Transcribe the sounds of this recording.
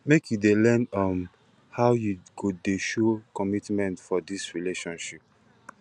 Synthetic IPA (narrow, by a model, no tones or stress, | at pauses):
mekjudelɛnɔm | hawjuɡodeʃokɔmitmɛ̃ntfɔdisɹileʃɔ̃nʃip̚